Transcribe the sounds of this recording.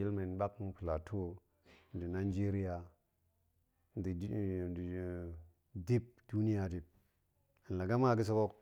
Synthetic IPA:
i˦lme˨n˨ɓa˦kŋpi˨la˨tʰo˦ | n˨di˨na˨˦d͡ʒe˦ɾi˦ja˨ | n˨di˨ | di˦p̚du˦ni˦ja˨di˨p̚ | i˨n˨la˨ɡa˦m˦a˦ɡi˦s̬o˦ko˦k

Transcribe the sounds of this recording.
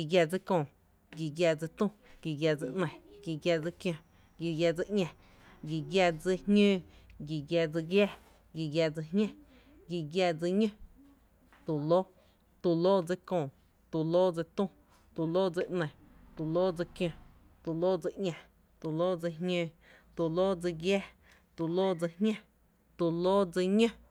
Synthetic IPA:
ɡi˨ɡja˧d͡zɨ˦kõː˧˨ | ɡi˨ɡʲja˧d͡zɨ˧t̪ũ˦˨ɡ̥i˨ɡʲja˧d͡zɨ˧ʔnə̃˧˨ɡi˨ɡʲja˧d͡zɨ˧kj̃õ˧ | ɡi˨ɡja˧d͡zɨ˧ʔɲʲã˧˨ | ɡi˨ɡja˧d͡zɨ˧hɲə̃ː˦ɡi˨ɡja˧d͡zɨ˧ɡja˧˨ | ɡi˨ɡja˧d͡zɨ˧ɦɲã˦ | ɡi˧ɡja˧d͡zɨ˧ɲə̃˦˧ | t̪u˨lo˦ | t̪u˧loː˦d͡zɨ˧kõː˧˨ | t̪u˨loː˦d͡zɨ˧t̪ũ˦ | t̪u˧˨loː˦d͡zɨ˧ʔnə̃˨t̪u˨loː˦d͡zɨ˧kj̃õ˧ | t̪u˨loː˦d͡zɨ˧ʔɲʲã˨ | t̪u˨loː˦d͡zɨ˧ɦɲə̃ː˧ | t̪u˨loː˦d͡zɨ˧ɡjɛː˦ | t̪u˨loː˦d͡zɨ˧hɲʲã˦ | t̪u˧loː˦d͡zɨ˧ɲə̃˦

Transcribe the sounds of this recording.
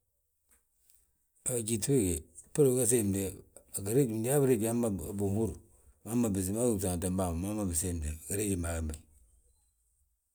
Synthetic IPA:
a˨d͡ʒi˨te˦ɡe˨pu˦ɾɡa˦s̬e˦˨m˨de˨a˨ɡa˨ɾe˦d͡ʒm˨da˦bɾe˦ɡi˨a˦ma˨bu˨hu˦ɾu˨ | ma˦ma˨bi˨s̬i˨ma˦ɡu˦˨sa˨ta˨m˦ba˦˨ma˨ma˦ma˨bi˨se˦˨m˨de˨ɡa˨ɾe˦d͡ʒi˨ma˨ɡa˨mba˨

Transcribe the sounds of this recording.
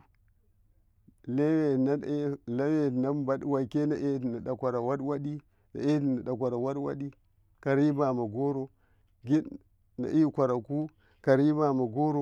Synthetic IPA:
le˦we˨n˦le˦we˦˨na˦mba˦ɗwa˨ke˦na˨ʔe˦˨na˨ɗa˨kʷa˨ɾa˨wa˦dwa˦ɗi˦ | na̰˨e˦˨na˨ɗa˨k̬ʷa˨ɾa˨wa˦dwa̰˦ɗi˦ | ka˨ɾi˦ba˨ma˨ɡo˦ɾo˨ | ɡi˦ | na̰˨ʔi˦kʷa˨ɾa˨ku˦ | ka˨ɾi˦ba˨ma˨ɡo˦ɾo˦

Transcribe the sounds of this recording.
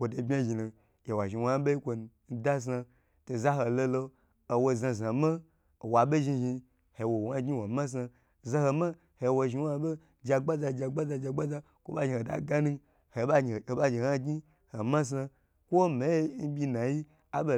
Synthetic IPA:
wʷo˨to˨˧bʲa˦ʒi˨nu˨ | je˨wa˨ʒi˨wa˧˦a˦ɓe˦i˦kʷo˧n̩˦da˦s̬a˧ | to˨za˦ɦo˧lo˧lo˧ | o˨wo˧za˧za˨ma˦˨ | wa˨ɓe˦ʒi˧ʒi˧ | he˨wo˨wa˦ɡɲi˦wo˨ma˦s̬a˧˨ | za˧ho˧ma˦ | he˨˧˨wo˧ʒi˧wa˧ɓe˦ | d͡ʒa˧ɡ͡ba˦za˧d͡ʒa˧ɡ͡ba˦za˧d͡ʒa˧ɡ͡ba˦za˧ | kʷo̰˦ɓa˦ʒi˧˨ho˨da̰˨ɡa˦nu˦ | he˨˦˨ba˦d͡ʒi˨a˦ɡi˦ | ho˨ma˦s̬a˧ | kʷo˦me˨˦n̩˦bʲi˧na˨ji˦ | a˦ɓo˨

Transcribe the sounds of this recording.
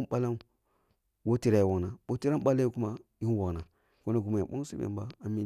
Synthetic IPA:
m˦ɓa˦la˦m | wo˦ti˦ɾa˨i˨wa˨ɡna˨wo˦ti˦ɾa˦m˦ɓa˦la˦ji˦ku˦ma˦ji˦wa˨na˨ | ko˦na˨ɡu˨ma˨ja˨ɓo˦ŋ˦sḭ˦bḛ˨m˦ba˦a˨mi˦

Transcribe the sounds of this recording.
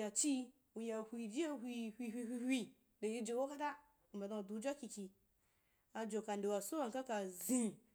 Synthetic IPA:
a˨t͡ʃi˦ | u˨ja˨hʷi˧d͡ʒi˦a˦hʷi˧hʷi˧hʷi˧hʷi˧hʷi˧ | de˨ji˦˧d͡ʒo˨wo˦ka˦ta˦ | u˨mba˨da˧˨du˨˧˦d͡ʒʷa˦ki˧ki˧ | a˧d͡ʒo˨ka˨nde˨wa˨so˦wa˨ŋ˨ka˦ka˨zĩ˦

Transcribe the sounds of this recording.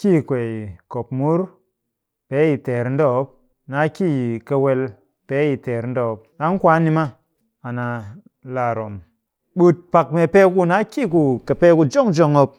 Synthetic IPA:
ki˦˨kʷe˨i˨ko˨pmu˦ɾ | pe˦ji˨te˨ɾn̩˦do˦˨˦p̚ | na˨˦ki˦jka˧we˧l | pe˦ji˨te˨ɾn̩˦do˦˨˦p̚na˦ŋ˦kʷa˦ni˦ma˦ | a˨na˨ | la˨ɾo˨m | ɓu˦t̚pa˨k̚me˨pe˦ku˦na˦ki˦˨k̬u˨ka˨pe˦ku˧d͡ʒo˦ŋd͡ʒo˦ŋo˦p̚

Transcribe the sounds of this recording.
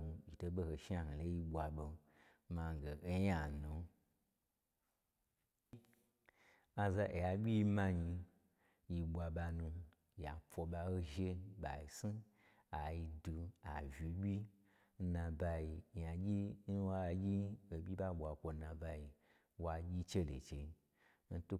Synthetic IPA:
u˧i˨to˧ɓo˧ho˨ʃa˧h̩˨lo˦ji˧ɓʷa˨ɓo˧ | ma˧˨ɡe˨e˦ja˦˨nu˨˦ | a˧za˧ʔe˨ja˧bʲi˦i˧˦mã˧ɲi˧ | ji˧ɓʷa˧ɓa˧nũ˧ | ja˨fo˧ɓa˧o˦ʒe˦ɓa˨i˨si˦ | a˨ji˧du˧a̰˨vi˨bʲi˦ | n̩˦nã˧ba˧ji˧˨ja˨ɡʲi˦n̩˦wa˦˨ɡʲi˦o˨bʲi˦ɓa˦ɓʷa˨kʷo˧nã˧ba˧i˧ | wa˧ɡʲi˦t͡ʃe˦lḛ˨t͡ʃe˧ | n̩˦tu˦

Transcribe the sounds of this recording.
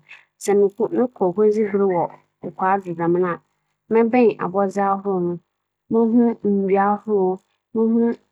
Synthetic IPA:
sɛ˨mɪ̃˨kʊ˦nɪ̃˦kʰɔ˨ɦo˦d͡zi˦bɾɪ˦wɔ˨ | ʊ˨kʷʰaː˨˦di˨bã˨mɪ̃˦nã˨ | mɪ̃˦bɛ̃˦˨ʔa̰˨bɔ˦zɪ˦a˦ɦʊ˦ɾʊ˦˨nʊ̃˨ | mɪ̃˦ɦũ˦m̩˨di˨˦a˦hʊ˦ɾ | mɪ̃˦hũ˦

